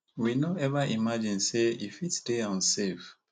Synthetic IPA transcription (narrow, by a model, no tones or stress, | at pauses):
winaɛvaimad͡ʒĩnseifitsdeãnsef